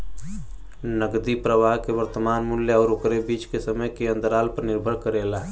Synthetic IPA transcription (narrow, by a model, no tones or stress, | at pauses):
nəɡd̪ipɾəʋaɦkeʋəɾt̪əmaːnmʊljəɔːɾokɾebiːt͡ʃkesəməjkeə̃nd̪əɾaːlpəɾnɪɾbʱəɾkəɾeːla